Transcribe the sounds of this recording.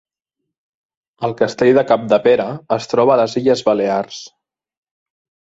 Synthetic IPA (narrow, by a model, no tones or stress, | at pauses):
əlˠkəst̪eʎðəkap̚d̪əpeɾəːst̪ɾɔβəːləziʎəzβəlears